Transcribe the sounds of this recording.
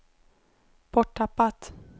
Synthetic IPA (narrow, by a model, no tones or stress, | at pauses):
pʰɔʈʰːapːat̪